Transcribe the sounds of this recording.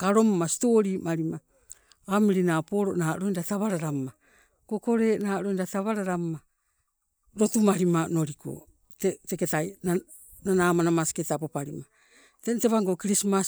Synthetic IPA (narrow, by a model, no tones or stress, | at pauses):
kaɾo̞mːasi̥toɾiːmaɾima | amiɾinapo̞ɾoʔnaːɾojndataβaɾaɾamma | koko̞ɾe̞ːnaːɾoindataβaɾaɾamma | ɾo̞tumaɾimano̞ɾikʰo̰ | teteketajna | nanaːmanamasi̥ketapopaɾima | tenteβaŋɡokiɾismas